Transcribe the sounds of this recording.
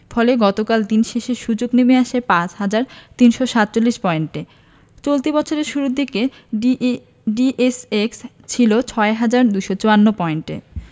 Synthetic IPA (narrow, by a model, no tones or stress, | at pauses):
fɔleɡɔt̪okald̪inʃeʃeʃud͡ʑoɡnemeaʃepãt͡ɕɦad͡ʑaɾt̪inʃoʃat̪̚ːt͡ɕolːiʃpɔeɳʈe | t͡ɕolt̪ibɔt͡ɕʰoɾeɾʃuɾud̪ʱike | ɖiʔeseks | t͡ɕʰilot͡ɕʰɔeɦad͡ʑaɾd̪ujʃot͡ɕoanːopɔeɳʈḛ